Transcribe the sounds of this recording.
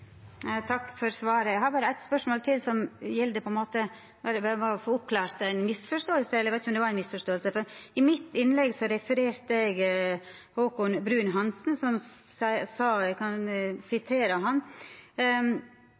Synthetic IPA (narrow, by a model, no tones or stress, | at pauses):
t̪ʰɑkːfɔɾsʋɑːɾəɛhɑɾbɑːɾəæɪt̪spœʂmoːlt̪ʰɪlsɔmjɛld̪əpʰɔɛnmoːt̪ə | bɑːɾəbɑɑfoːʊp̚kʰlɑːɾt̪æɪnmɪsfɔʂt̪oːəlsəɛlːəʋæɪt̪ɪçɔmd̪ɛʋɑɾæɪnmɪsfɔʂt̪oːəlsəfɔɾɪmɪt̪ːɪnːlɛɡsɔɾɛfəɾeːɾt̪əɛɡ | hoːkʊnbɾʉːnɦɑnsnsɔm | æsɑɛkʰɑnsɪt̪ʰeːɾəɦɑn